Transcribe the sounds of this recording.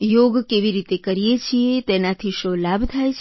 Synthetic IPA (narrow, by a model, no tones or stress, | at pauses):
joɡkeʋiɾit̪ekəɾijet͡ʃʰiet̪enat̪ʰiʃolabt̪ʰajt͡ʃʰ